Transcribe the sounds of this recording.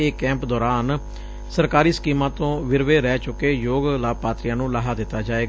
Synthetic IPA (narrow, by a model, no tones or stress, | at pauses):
eːkɛ̃ːmpd̪ɔːɾaːn | səɾkaːɾiːsə̥kiːmãːt̪õːʋɪɾʋeːɾɛːt͡ʃʊkeːjoːɡlaːbpaːt̪ɾɪjãːnũːlaːɦaːd̪ɪt̪ːaːd͡ʒaːeːɡa